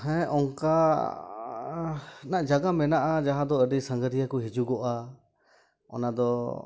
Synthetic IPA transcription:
ɦɛ̃ʔɔŋka | naʔd͡ʒaɡamɛnaʔad͡ʒaɦãd̪ɔəɾisəŋɡəɾijakuɦid͡ʒuɡɔʔa | ɔ̰nad̪ɔ

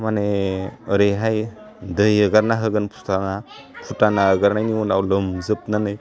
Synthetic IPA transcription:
maneəɾeɦaj | dəjəɡaɾnaɦɯɡɯnpʰu̥tana | pʰutanaəɡaɾnajniwunawləmzɯp̚nanɯj

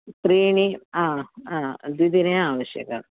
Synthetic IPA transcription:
pɾiːɳiaːaːd̪id̪ineaːʋɐɕjɐ̰ɣɐ̰ɭ

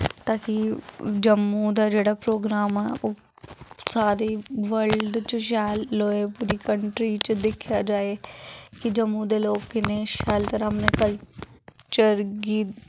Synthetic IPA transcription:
t̪aːkid͡ʒəmːũːd̪aːd͡ʒeːɽaːpɾoːɡɾaːmɛːʔoː | saːɾiːʋəlɖt͡ʃʃ̬ɛːlːoːeːpuːɾiːkəɳʈɾiːt͡ʃd̪ɪkʰjaːd͡ʒaːeːkɪd͡ʒəmːũːd̪eːloːkːɪneːʃɛːlt̪əɾɦəmneːkəl | t͡ʃəɾɡiː

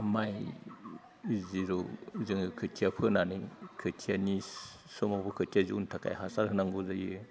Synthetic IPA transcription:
maj | ziɾozɯŋɯkʰɯtʰiapʰɯnanɯjkʰɯtʰiani | sɔmabɔkʰɯtʰiaziuntʰaka̰jɦasaɾhɯnaŋɡuzajɯ

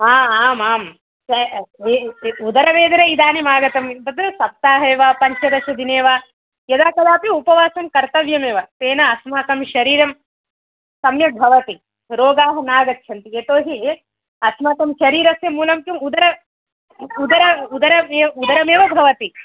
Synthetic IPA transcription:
aːaːmaːm | ɐeud̪ɐɾɐʋeːd̪ɐɾɐid̪aːnimaːɡɐt̪ɐmbɐd̪ɾusɐp̚t̪aːɦɐeːʋaːpɐɲt͡ʃʰɐd̪ɐʃɐd̪ineːʋaː | jɐd̪aːkɐd̪aːpiupɐʋaːsɐmkɐɾt̪ɐʋjɐmeːʋɐt̪eːnɐːsmaːkɐmʃɐɾiːɾɐm | sɐmjɐbʱɐʋɐt̪i | ɾoːɡaːɦɐnaːɡɐt̪ːʃʰɐnt̪ieːt̪oːɦi | ɐsmaːk̪ɐmʃɐɾiːɾɐsjɐmuːlɐmkjumud̪ɐɾɐ | ud̪ɐɾɐud̪ɐɾɐmeːɐud̪ɐɾɐmeːʋɐbʱɐʋɐt̪i

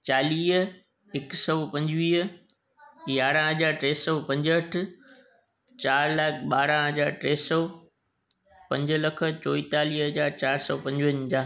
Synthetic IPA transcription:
t͡ɕaːliːɦ | ɪksɔpɐ̃ɲd͡ʑʋiːɦ | jaːɽãɦɐd͡ʑaːɾʈɾeːsɔːpɐ̃ɲd͡ʑəʈʰ | t͡ɕaːɾlaːkʰɓaːɾãɦɐd͡ʑaːɾʈɾeːsɔː | pɐ̃ɲd͡ʑlɐkʰə̆t͡ɕoːit̪aːliːɦɦɐd͡ʑaːɾt͡ɕaːɾsɔːpɐ̃ɲd͡ʑʋənd͡ʑaː

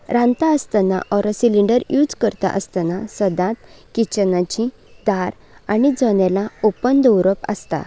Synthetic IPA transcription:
ɾãnt̪aəst̪ana̰ʔɔɾɔsiliɳɖəɾjud͡zkəɾt̪a̰ʔəst̪anasəd̪ãt̪̚kit͡ɕənat͡ɕĩ | d̪̥aɾ | añid͡zɔnɛlaopənd̪əwɾəpə̰st̪a̰

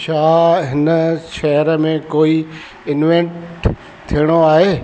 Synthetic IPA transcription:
ʃaːɦɪnəʃɐɦəɾəmẽkoːi | ɪnʋẽɳʈ | t̪ʰijəɽ̃oaːɦeː

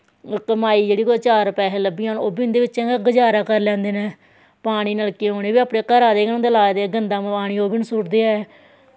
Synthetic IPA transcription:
kmaːiːd͡ʒeːɽiːkot͡ʃaːɾpɛːɦeːləbiãːnoːbiːɪnd̪eːʋɪt͡ʃːɛ̃ːɡəd͡ʒaːɾaːkəɾlɛ̃ːnd̪eːnẽː | paːɽ̃iːnəlkẽːɦoːɽeːʋiːaːpɽẽːkəɾaːd̪eːɡənõːd̪laːd̪eːɡənd̪ãːm̃ːpaːɽ̃iːoːbiːnəsʊʈd̪eːɛː

